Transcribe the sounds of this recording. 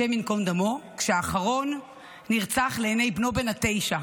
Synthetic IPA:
eminko̞nd̪amo̞kʃeaːχaʁo̞nː | iʁt͡saχleːne̞jbno̞be̞nhat̪e̞jʃa

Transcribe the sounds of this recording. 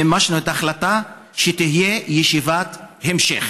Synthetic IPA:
emaʃnuetaχlata | ʃet̪ihijejeʃivat̪hemʃḛχ

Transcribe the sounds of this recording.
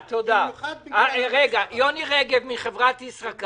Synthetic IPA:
t̪od̪aaʁeɡajoniʁeɡevmiχevʁat̪isʁak

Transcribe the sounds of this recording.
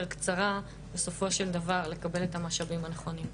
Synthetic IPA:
ʁkt͡saʁa | be̞so̞fo̞ʃe̞ld̪avaʁle̞kabe̞letamaʃavimhaneχo̞nim

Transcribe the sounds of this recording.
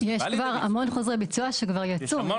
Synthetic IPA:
jeʃkvaʁa̰mo̞nχozʁebit͡suaʃekvaʁjat͡su

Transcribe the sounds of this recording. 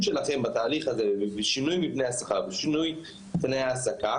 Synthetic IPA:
ʃelaχe̞mbat̪aːliχazevviʃinujmipnejasaχaʁbeʃinuj | pnejaːsaka

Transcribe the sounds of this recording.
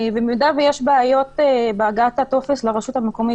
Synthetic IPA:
vemjud̪avejeʃbaajo̞t̪ebeaɡat̪ato̞fesleʁeʃutameko̞mi

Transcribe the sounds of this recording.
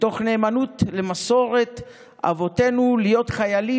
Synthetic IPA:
to̞χne̞ːmanutle̞maso̞ʁe̞t | a̰vo̞te̞nulijo̞tχajali

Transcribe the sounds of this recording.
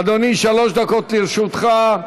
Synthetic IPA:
d̪oniʃaloʃd̪akot̪liʁʃut̪χa

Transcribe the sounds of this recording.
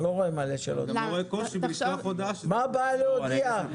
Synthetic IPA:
loʁoemaleʃḛlo̰d̪oekoʃibiaχod̪aʃmabaaleodia

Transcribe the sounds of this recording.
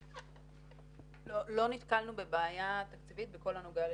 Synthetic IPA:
olo̞nit̪kalnubebeːjat̪akt͡sivit̪veko̞lanoɡal

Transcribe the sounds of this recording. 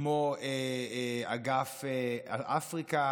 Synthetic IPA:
moe | aɡafeaʔafʁika

